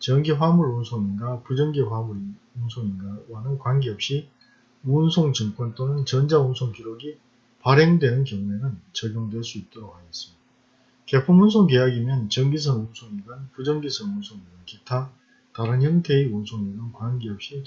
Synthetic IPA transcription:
t͡ɕʌŋɡiɸwamuɾunsʰoŋinɡapud͡ʑʌŋɡeɸwamuɾunsʰoŋinɡawanɯnkwanɡeʌp̚ɕ͈i | unsʰoŋt͡ɕʌŋk͈wʌnt͈onɯnt͡ɕʌnd͡ʑaunsʰoŋkiɾoɡi | paɾeŋdwe̞nɯnkjʌŋne̞nɯnt͡ɕʌɡjoŋdwe̞ɭs͈uit̚t͈ʌɾokhajʌs͈ɯmida | ke̞pʰununs̬ʰoŋkejaɡimjʌnt͡ɕʌŋɡisʰʌnunsʰoŋiɡanpud͡ʑʌŋɡisʰʌnunsʰoŋiɯnkitʰa | taɾɯnçʌŋtʰe̞iunsʰoŋinɯnkwanɡeʌp̚ɕ͈i

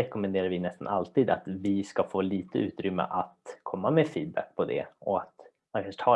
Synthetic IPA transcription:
ɛkʊmɛnd̪eːɾaɾvɪnɛst̪a̰nʔalt̪iːd̪at̪vɪskafoːliːt̪ʰəʉ̟ːt̪ɾʏmːə̰ʔat̪kʰɔmːamɛfiːd̪̚bæ̰k̚pʰɔd̪ɛ̰ɔat̪ | maɾk̪ɪʂʈʰɑː

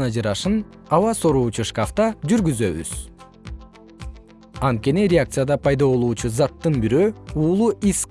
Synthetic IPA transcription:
nɑd͡ʒɯɾɑʃɯn | ɑwɑso̞ɾuːt͡ʃuʃkaft̪ɑd͡ʒyɾɡyzø̞βy̰z̥ | ɑnt̪̚kʲe̞niɾʲeak̚t̪sɨjad̪ɑpʰɑjd̪ɑβo̞lˠuːt͡ʃuzɑt̪ːɯnbiɾøːuːlˠuʔis

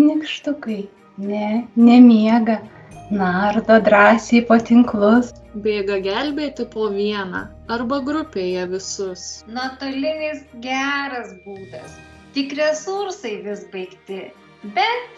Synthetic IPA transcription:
nʲɪkʃt̪ʊkɐɪ | nʲɛnʲɛmʲiɛɡɐ | nɐɾd̪oːd̪ɾɑːsʲeːpoːt̪ʲɪŋklˠʊs | bʲeːɡɐɡʲælʲbʲeːt̪ʲɪpoːʋʲiɛnɑ̰ː | ɐɾbɐɡɾʊpʲeːjɛʋʲɪsʊsnɐt̪oːlʲɪnʲɪsɡʲæːɾɐsbuːd̪ɐs | t̪ʲɪkɾʲɛsʊɾsɐɪʋʲɪsbɐɪkt̪ʲɪ | bʲɛt̪

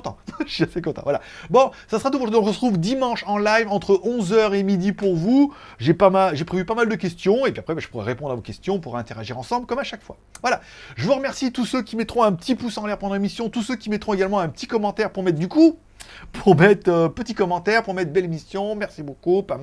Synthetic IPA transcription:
t̪ɑ̰̃ɥiasekɔ̃t̪ɑ̰̃vwala̰ | bɔ̃sasəʁat̪̬upʁʒd̪ɔ̃ʒʁəsət̪χuvd̪imɑ̃ʃɑ̃lajvɑ̃t̪χəʔɔ̃zœʁemid̪ipuʁvu | ʒepamalʒepχevypamald̪əkʲɛst̪jɔ̃epɥiapχɛbaʒə̥puʁɛ̰ʁepɔ̃d̪ʁavokʲɛst̪jɔ̃puʁɛ̃t̪eʁaʒiʁɑ̃sɑ̃blkɔmaʃakfwa̰vwala | ʒəvuʁəmɛʁsit̪usøkʲimɛt̪χɔ̃ɛ̃pət̪ʰipusɑ̃lɛʁpɑ̃d̪ɑ̃lemisjɔ̃t̪usøkʲimɛt̪χɔ̃eɡalmɑ̃ɛ̃pət̪ikɔmɑ̃t̪ɛʁpuʁmɛt̪̚χd̪yku | puʁmɛt̪χøpət̪ikɔmɑ̃t̪ɛʁpuʁmɛt̪χbɛlemisjɔ̃mɛʁsibokupam

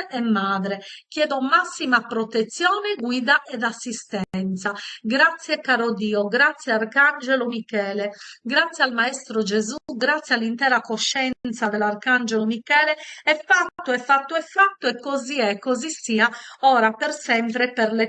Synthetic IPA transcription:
ʔɛmːaːd̪ɾɛk̟jɛːd̪ɔmasːimapɾot̪et̪sːjɔːnɛɡwiːd̪aʔɛd̪asːist̪ɛnt̪saɡɾat̪sːjɛkaːɾod̪iːɔɡɾat̪sːjɛarkand͡ʒɛlomikɛːlɛɡɾat̪sːjɛalmaɛst̪ɾod͡ʒezuɡɾat̪sːjɛalːint̪ɛːɾakoʃːɛnt̪sad̪ɛlarkand͡ʒɛlomikɛːlɛɛfːat̪ːoɛfːat̪ːoɛfat̪ːoɛkːoziɛkːozisːiːaɔːɾapɛɾsɛmpɾɛpɛɾlɛ

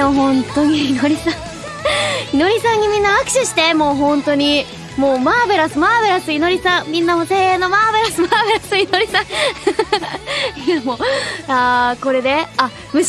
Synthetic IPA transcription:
moɦõ̞nt̪o̞ɲ̟iːno̞ɾʲisã | ino̞ɾʲisãɲ̟ːimʲĩnːaːkɯ̟̥ɕiɕi̥t̪e̞mo̞ːɦõ̞nt̪o̞ɲ̟i | moːmaːbe̞ɾasɨmaːbeɾasɨino̞ɾʲisãɰ̃mʲĩnːamose̞ːeno̞maːbe̞ɾasɨmaːbeɾasɨino̞ɾʲisã | iamoːako̞ɾe̞d̪e̞a | mɯ̟

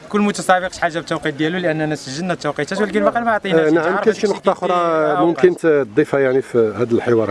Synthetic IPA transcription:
kʊlːmut̪æsˤɑbəqʃħaʒːabt̪ːæwqid̪jælulʔənːænæsəʒːənːæt̪ːæwqit̪hæt̪wælækənbæqɑlmʕt̪ˤinʕəmkæʃinəqt̪ːɑxɾˤɑmʊmkənt̪̚d̪ˤifhæjaʕnifhæd̪əlħəwɑɾˤ

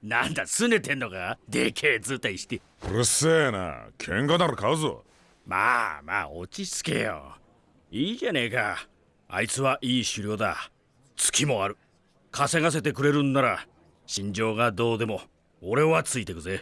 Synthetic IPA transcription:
nãnd̪asɨ̃nd̪e̞t̪ẽ̞nːokad̪e̞kʰeːd͡zɨːt̪ːaiɕi̥t̪i | pɯɾɯsena̰kʰḛ̃ŋɡanaɾɯkazɨ̰ | ma̰ːma̰ːot͡ɕit͡sɨ̥ke̞̰jo̰ | iːd͡ʑaneka | ait͡sɨβaʔiːɕɨɾʲo̞ːd̪a | t͡sɨ̥kʲimo̞aɾɯ̟ | kʰase̞ɡas̬e̞t̪e̞kɯ̟ɾe̞ɾɯ̟̃nːaɾa | ɕĩɲ̟d͡ʑo̞ːɡad̪o̞ːd̪e̞mo̞ː | ɾe̞βat͡sɨit̪e̞kɯ̟ze

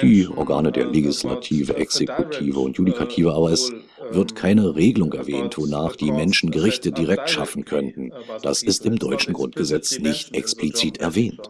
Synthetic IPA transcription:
d̥iːʔɔ̰ɐɡa̰ːnədeːɐleɡisla̰tʰiːvəʔɛ̰ksekʰutʰiːvə̰ʊntjulikʰatʰiːvəʔaːbɐɛs | vɪɐtkʰaɪnəʁeːɡəlʊŋɛɐvɛːntv̥oːnaːχd̥iːmɛnʃn̩ɡəʁɪçtədiʁ̞ɛk̚tʃafn̩kʰœntn̩d̥a̰sɪstɪmdɔʏt͡ʃn̩ɡʁʊnt̚ɡ̥əzɛt͡snɪçtʔɛ̰ksplit͡siːtʰɛɐvɛːnt

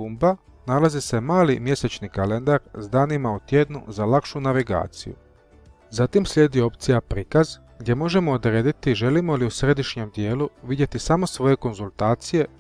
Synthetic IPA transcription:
umba | nalazise̞maːlimje̞set͡ʃnikale̞nd̪aɾzd̪aːnimaut̪je̞d̪nṵzalakʃunaʋiɡa̰ːt̪sḭjṵ | zat̪imslje̞ːd̪io̞pt̪sijapɾiːkaz | ɡd̪je̞mo̞ʒe̞mo̞ːd̪ɾe̞ːd̪it̪iʒe̞limo̞liusɾe̞d̪iʃɲe̞md̪je̞ːluʋid̪je̞t̪isamo̞sʋo̞je̞ko̞nzulˠt̪aːt̪sije̞

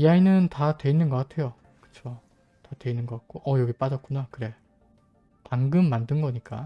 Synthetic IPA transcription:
iainɯntatwe̞inːɯnɡʌk͈atʰe̞jo | kɯ̥t͡ɕʰo | tatwe̞inːɯnɡʌk͈at̚k͈oʔʌjʌɡip͈ad͡ʑʌt̚k͈unakɯɾe̞ | taŋɡɯmːandɯnɡʌɲik͈a

